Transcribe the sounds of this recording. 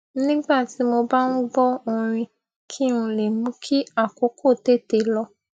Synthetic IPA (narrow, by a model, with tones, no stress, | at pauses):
nĩ˦ɡ͡ba˦˨ti˨˦mo˧ba˦nũ˦ɡ͡bɔ˦o˧ɾ̃ĩ˧ | kʰi˦ũ˧le˨mũ˨˦kʰi˦a˦˨ko˨˦kʰo˦˨te˦˨te˨lɔ˧